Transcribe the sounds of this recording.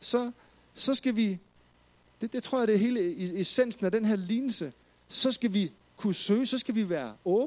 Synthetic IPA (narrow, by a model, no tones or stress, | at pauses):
sɒ̽ | sɒ̽sɡ̥æʋi | d̥ed̥et͡sʰʁo̝ɐ̰jɐd̥e̝ɦe̝ːləeesen̰sn̩æd̥enɦeɐ̰liːnl̩sə | sɒ̽sɡ̥æʋi | kʰusøːsɒ̽sɡ̥æʋiʋæːɐɔ̽ːb̩